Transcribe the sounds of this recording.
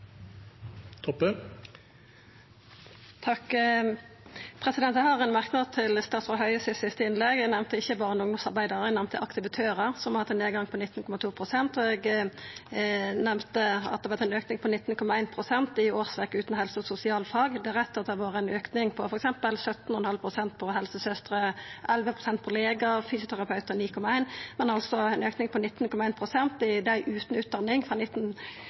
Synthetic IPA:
t̪ʰɔpə | t̪ʰɑk | pʰʁɛsɪd̪ɛnæhɑːʁɛnmæʁknɑt̪ʰɪlst̪ɑːt̪sfɔɦœʏəsɪsɪst̪əɪnlɛɡɛɡnɛʋmt̪əɪçəbɑːʁəɛnʊŋd̪ʊmsɑ̰ʁbæɪd̪əʁɛnɛmt̪əʔɑkt̪əʋət̪ʰøːʁəʁsɔmɑhɑt̪ːneːɡɑŋpʰɔnɪt̪ːn̩kʰɔmɑt̪ʰuːpʰʁʊsɛnt̪ɔɛɡ | nɛmt̪əɑ̰t̪̚d̪ɛʋɛt̪ʰːæɪnøːknɪŋpʰɔnɪt̪ːn̩kʰɔmɑæɪnpʰɾʊsɛnt̪ɪoːʁsʋækːəʉːt̪n̩hɛlsəsʊsɪɑːlfɑːɡd̪ɛʁɛt̪ːɑt̪̚d̪ɛʋoːɾəɛnøːknɪŋpʰɔfɔɾɛksɛmpəlsœt̪n̩hɔnhɑlpʰʁʊsɛnt̪̚pʰɔhɛlsəsœst̪ɾəʔɛlʋəpʰɾʊsɛnt̪̚pʰɔleːɡəfyːsjʊt̪ʰæɾɑpʰɑʉt̪əɾniːkʰɔmɑæɪnmɛnɑlsɔɛnøːknɪŋpʰɔnɪt̪ːn̩kʰɔmɑæɪnpʰʁʊsɛnt̪ɪd̪æɪʔʉːt̪n̩ʉːt̪̚d̪ɑnːɪŋfʁɑnɪt̪ːn

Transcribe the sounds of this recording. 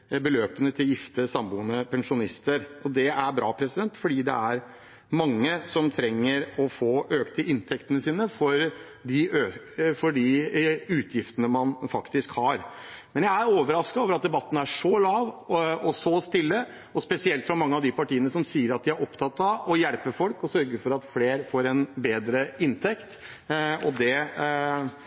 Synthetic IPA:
bəløːpənət̪ʰɪljɪft̪əsɑmbuːnəpʰɛnʂʊnɪst̪əɾɔd̪ɛæɾbɾɑ̰ːpʰɾɛsɪd̪ɛnt̪fɔɖiːd̪ɛ̰æɾ | mɑŋːəsɔmt̪ʰɾɛŋːəɾɔfoːʔøːkt̪ʰɪlʔɪnt̪ʰɛkt̪ənəsiːnəfɔɾ | ɖɪø | fɔɖɪʉːt̪ʰjɪft̪ənəmɑnfɑkt̪ɪskhɑɾmɛnjæɪæɾoːʋəɾɑskɑoːʋəɾɑt̪̚d̪ɛbɑt̪ːn̩æʂɔlɑːʋɔsɔst̪ɪlːə | ɔspɛsɪɛlt̪fɾɑmɑŋːəɑʋd̪ɪpʰɑʈiːənəsɔmsiːəɾɑt̪̚d̪ɪæɾɔpt̪ʰɑt̪ːɑɔjæɽpəfɔlkɔsœɾɡəɾfɔɾɑt̪fleːɾfoːɾɛnbeːd̪ɾəɪnt̪ʰɛkt̪ | ɔd̪ɛ

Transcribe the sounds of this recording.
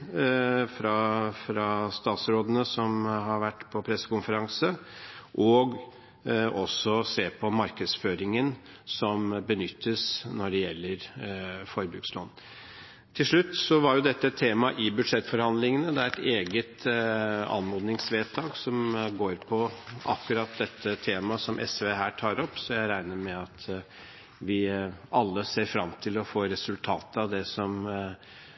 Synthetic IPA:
fɾɑfɾɑst̪ɑːt̪sɾoːd̪ənəsɔmɦɑɾʋæʈːpʰɔpʰɾɛsːə̥kʊnfəɾɑŋsəʔɔɡ | ɔsɔseːpʰɔmɑɾkəd̪sføːɾɪŋən | sɔmbənʏt̪ʰːəsnɔɖɛjɛlːəɾfɔɾbʉkslo̰ːn | t̪ʰɪlʂɭʉt̪ːsɔʋɑɾjʊd̪ɛt̪ːət̪ʰeːmɑʔɪbʉd̪ʂɛt̪ːfɔɾhɑnd̪lɪŋənəd̪ɛæɾɛt̪eːɡət̪ | ɑ̰nmoːd̪nɪŋsʋeːt̪ʰɑːɡsɔmɡoːɾpʰɔʔɑkːʉɾɑːt̪̚d̪ɛt̪ʰːət̪ʰeːmɑsɔmʔɛ̰sʋeɦæːʈʰɑːɾɔpːsɔjæɪɾæɪnəɾmɛɑt̪ | ʋɪɑlːəseːɾfɾɑmt̪ʰɪlɔfoːɾɛsʉlt̪ʰɑːt̪əɑʋd̪ɛsɔm

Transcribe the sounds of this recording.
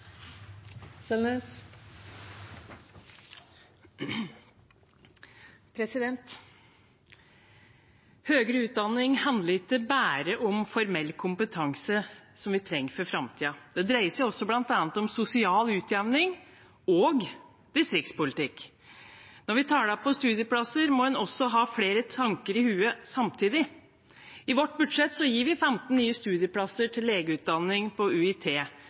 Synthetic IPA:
sɛlnøːs | pʰɾɛsɪd̪ɛnt̪ | høːɡɾəʉːt̪̚d̪ɑnːɪŋhɑnd̪ləɾɪt̪ːəbæːɾəʔɔmfɔɾmɛlːkʰʊmpət̪ʰɑŋsəsɔmʋɪt̪ʰɾɛŋːəfɔɾfɾɑmt̪ʰiːɑd̪̥ɛd̪ɾæɪəsɛɪɔsːɔblɑnt̪ɑːnət̪ɔmsʊsɪɑːlʉːt̪ʰjɛʋnɪŋ | oːɡ | d̪̥ɪst̪ɾɪk̪̚spʊlɪt̪ɪkː | nɔɾʋɪt̪ʰɑːɖæpɔst̪ʉːd̪jəpʰlɑsəɾmɔhʉnɔsːɔɦɑːfleːɾət̪ʰɑŋkəɾɪhʉːəsɑmt̪ʰiːd̪ɪ | ɪʋɔʈ̚ːbʉd̪ʂɛt̪sɔjiːʋɪfɛmt̪n̩nːyːəst̪ʉːd̪ɪəpʰlɑsəʈʰɪlːeːɡəʉːt̪̚d̪ɑnːɪŋpʰɔʉɪt̪ʰeː

